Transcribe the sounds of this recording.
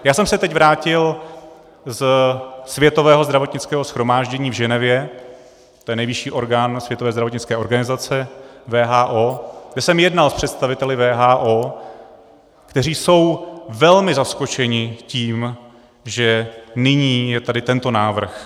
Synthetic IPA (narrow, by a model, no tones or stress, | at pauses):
jaːsɛmsɛt̪ɛcvɾaːcɪl | zsvjɛt̪o̞vɛːɦozd̪ɾavo̞t̪ɲɪt͡skɛːɦosxɾo̞maːʒɟɛɲiːvʒɛnɛvjɛ | t̪ojɛnɛjvɪʃiːʔo̞ɾɡaːnsvjɛt̪ovɛːzd̪ɾavot̪̬ɲɪt͡skɛːʔo̞ɾɡanɪzat͡sɛvɛːɦaːʔoːɡdɛsɛmjɛdnalspr̥ɛt̪st̪avɪt̪ɛlɪvɛːɦaːʔoː | kt̪ɛriːso̞wvɛlmɪzasko̞t͡ʃɛɲɪciːm | ʒɛnɪɲiːjɛt̪adɪt̪ɛnt̪o̞naːvr̩x